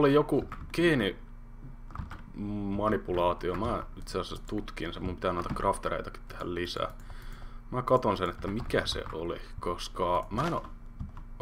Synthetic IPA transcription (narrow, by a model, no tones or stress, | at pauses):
olijokukiːni | mɑnipulɑːt̪iomæːit̪seɑsæst̪ut̪kinsemumpi̥t̪ænoˑit̪ɑkrʔɑft̪eɾḛit̪ɑki̥t̪t̪ːe̥hæ̰llisæ̰ː | mækɑt̪onsenet̪ːæmikæsḛʔo̰lḭkoskɑmæeno